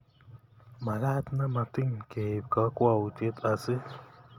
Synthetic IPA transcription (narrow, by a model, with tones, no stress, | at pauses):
ma˨la˦t̪na˦ma˨t̪i˦ŋke˨b̚ka˨˦kwa˦˨wu˨te˦t̪a˨sɨ˦